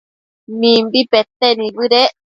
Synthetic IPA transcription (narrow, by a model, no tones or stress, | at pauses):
mĩmbipet̪enĩβɨɾe